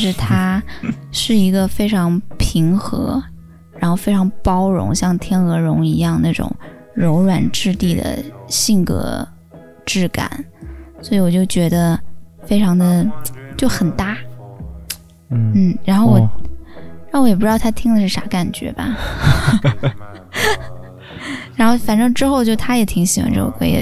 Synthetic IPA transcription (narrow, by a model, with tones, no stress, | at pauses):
ʂɻ̩˥˩t̪ʰa˥ʂɻ̩˥˩i˧˥ɡə˧fe˥ɪʈ͡ʂʰɑ˧˥ŋpʰi˧˥ŋxɤ̰˧˥ | ɻa˧˥nxo˥˧ʊfe˥ɪʈ͡ʂʰɑ˧˥ŋpɑ˥ʊɻʊ̰˧˥ŋɕjɑ˥˩ŋt̪ʰjɛ˥nɤ˧˥ɻʊ˧˥ŋi˧˥jɑ˥˧ŋna˥˩ʈ͡ʂʊ̰˨˩˦ŋ | ɻo˧˥ʊɻwa˨˩nʈ͡ʂɻ̩˥˧t̪i˥˩d̪ə̰˩ɕi˥˩nkɤ̰˧˥ | ʈ͡ʂɻ̩˥˩ka̰˨˩˦nswɔ˧˥i˧˥wɔ˨˩t͡ɕjo˥˩ʊt͡ɕɥɛ˧˥d̪ə˧fe˥ɪʈ͡ʂʰɑ˧˥ŋd̪ə˧t͡ɕjo˥˩ʊxə˨˩nt̪a˥˩ | n̩˥˩ɻa˧˥nxo˥˩ʊwɔ˨˩ɻɻa˧˥o˥˧˥jɛ˨˩pu˥ɻɑ˥˩˧t̪ʰa˥t̪ʰi˥ŋd̪ə˧ʂɻ̩˥˩ʂa̰˧˥ka˨˩nt͡ɕɥɛ̰˧˥bɐ̰˨˩ | ɻa˧˥nxo˥˩ʊfa˨˩nʈ͡ʂɤ˥˧ŋʈ͡ʂɻ̩˥xo˥˧ʊt͡ɕjo˥˩ʊt̪ʰa˥jɛ˨˩˥t̪ʰi˧˥ŋɕi˨˩˥wa̰˧˥nʈ͡ʂɤ̰˥˩o̰˨˩kʰə̰˧˥jɛ̰˧˩